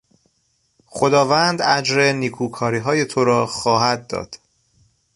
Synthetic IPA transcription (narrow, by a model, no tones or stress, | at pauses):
xod̪ɒːvænd̪æd͡ʒɾe̞niːkʰuːkʰɒːɾiːɦɒːje̞t̪ʰo̞ɾɒːxɒːɦæd̪̚ːɒ̰ːd̪̥